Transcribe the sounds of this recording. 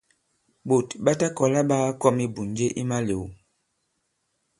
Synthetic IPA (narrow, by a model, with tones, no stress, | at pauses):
bo˨tɓa˦ta˦kɔ˨la˦ɓa˦kɔ˦mi˦bu˨nd͡ʒe˦ʔi˦ma˦le˨wu˨